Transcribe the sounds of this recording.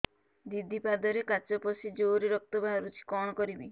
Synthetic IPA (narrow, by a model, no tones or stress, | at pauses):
d̪id̪ʱipad̪ɔɾekat͡ʃɔpɔsid͡ʒoɾiɾɔk̚t̪ɔbʱaɦɾut͡ʃʰi̥kɔɽ̃ɔkɔɾibi